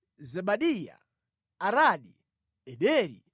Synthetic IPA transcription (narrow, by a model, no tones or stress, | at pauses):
zɛɓaɗija̰ | aɾaɗi | ɛɗɛɾḭ